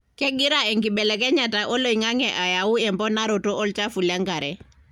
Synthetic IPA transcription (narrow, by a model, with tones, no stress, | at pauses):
kɛ˦ɡi˦ɾaɛ˨ŋki˨ɓɛ˨lɛ˨kɛ˦ɲataʔo˦lo˦i˨ŋa˦ŋɛʔa˨ja˨wu˦ɛ˨mpɔ˦na˦ɾo˨to˦ʔɔ˦lt͡ʃa˦fu˨lɛ˦ŋɡa˨ɾɛ